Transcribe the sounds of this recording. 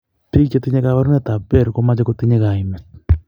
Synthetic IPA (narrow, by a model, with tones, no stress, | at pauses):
pi˦t͡ʃe˦t̪i˦ɲe˦kaβa˦ɾu˦nɛ˦t̪a˨pɛ˦˨ɾko˦ma˦t͡ʃe˦ko˦t̪i˦ɲe˦ɣa˨i˨mɛ˨t